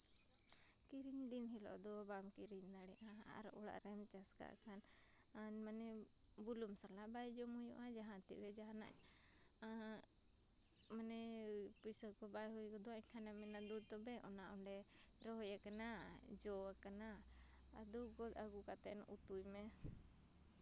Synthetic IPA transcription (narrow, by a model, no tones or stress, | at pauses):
kiɾiɲd̪inɦilɔ̰ʔd̪ɔbamkiɾiɲd̪aɽɛʔa | a̰ɾʔɔɽa̰ʔɾɛmt͡ʃaska̰ʔkʰan | aɲmanɛ | bulumsalaʔbajd͡ʒɔmujṵʔad͡ʒaɦãt̪ḭbɛd͡ʒaɦana̰ɲ | a | manɛpisɔkɔbajɦujɡɔd̪ɔaɲkʰanamɛnad̪ud̪̚t̪ɔbɛʔɔnaʔɔɳɖɛ | ɾɔɦɔjakanad͡ʒɔakanaː | d̪uɡɔd̪aɡukat̪ɛnʔut̪ujmɛ